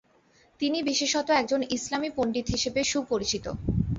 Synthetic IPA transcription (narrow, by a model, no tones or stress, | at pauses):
t̪inibiʃeʃɔt̪oɛkd͡ʑonislamipoɳɖit̪ɦiʃebeʃupoɾit͡ɕit̪o̰